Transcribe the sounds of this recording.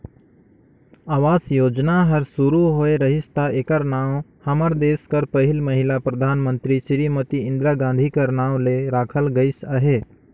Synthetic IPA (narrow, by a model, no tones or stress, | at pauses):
aːʋaːsjoːd͡ʒnaɦɐɾsʊɾuɦoːeɾɐɦɪst̪aeːkəɾnãːwhɐməɾd̪eːskəɾpəɦɪlməɦɪlapɾɐd̪ʱaːnmə̃nt̪ɾiʃɾimət̪iɪ̃nd̪ɾaɡãːn̆d̪ʱikəɾnãːwleɾaːkʰəlɡɐɪsaɦeː